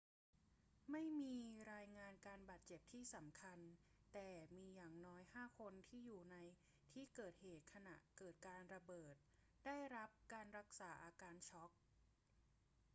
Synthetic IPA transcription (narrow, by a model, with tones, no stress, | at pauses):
ma˥˩jmiː˧ɾaː˧jŋaː˧nkaː˧nbaː˨˩t̪̚t͡ɕe˨˩p̚t̪ʰiː˥˩sa˩˦mkʰa˧nt̪ɛː˨˩miː˧jaː˨˩ŋnɔː˦˥jhaː˥˩kʰo˧nt̪ʰiː˥˩juː˨˩na˧j | t̪ʰiː˥˩kɤː˨˩t̪̚heː˨˩t̪̚kʰa˧na˨˩ʔkɤː˨˩t̪̚kaː˧nɾa˧bɤː˨˩t̪̚ | da˥˩jɾa˦˥p̚kaː˧nɾa˦˥k̚saː˩˦ʔaː˧kaː˧nt͡ɕʰɔ˦˥k̚